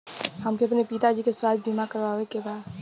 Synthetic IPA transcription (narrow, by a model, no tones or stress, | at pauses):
hɐmkeɐpnepiːt̪ad͡ʒiːkeswaːd̪̚biːmakɐɾʋaːʋekebaːd̪